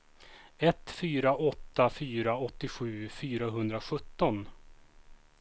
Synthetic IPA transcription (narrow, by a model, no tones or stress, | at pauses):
ɛt̪fyːɾaʔɔt̪ːafyːɾaɔt̪ːɪɧʉ̟ːfyːɾaɦɵnd̪ɾaɧɵt̪ːɔn